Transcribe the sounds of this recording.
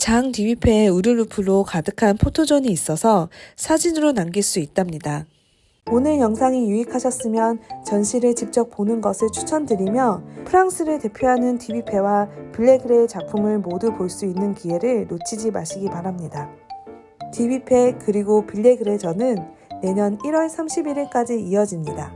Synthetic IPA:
t͡ɕaŋtibipʰe̞uɾɯɭːupʰɯɾokadɯkʰanpʰotʰod͡ʑʌɲiːs͈ʌsʰʌsʰad͡ʑinɯɾonamɡiɭs͈uit̚t͈amɲida | onɯɭjʌŋsʰaŋijuikʰaɕʰʌs͈ɯmjʌnt͡ɕʌnɕʰiɾɯɭt͡ɕip̚t͡ɕ͈ʌk̚p͈onɯnɡʌsʰɯɭt͡ɕʰu̥t͡ɕʰʌndɯɾimjʌpʰɯɾaŋs͈ʰɯɾɯɭte̞pʰjoɦanɯntʰibipʰe̞wapiʎːe̞ɡɯɾe̞t͡ɕak̚pʰumɯɭmodupoɭs͈uinːɯnkie̞ɾɯɭnot͡ɕʰid͡ʑimaɕʰiɡipaɾamɲida | tʰibipʰe̞kɯɾiɡopiʎːeɡɯɾe̞d͡ʑʌnɯnːe̞ɲʌniɾwʌɭsʰamɕʰibiɾiɭk͈ad͡ʑiiʌd͡ʑimɲida

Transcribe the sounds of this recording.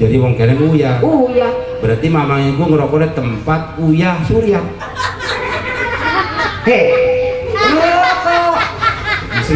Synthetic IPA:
d͡ʒadiwɔŋkɛnɛnujaujabəɾart̪imamaŋiɡuŋəɾɔkɔdɛt̪əmpat̪̚ujahsuɾia | ɛ | ŋəɾɔkɔ | isi

